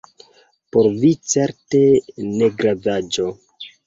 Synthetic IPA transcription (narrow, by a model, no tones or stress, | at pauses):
poɾvit͡se̞ɾtene̞ɡɾavad͡ʒo̞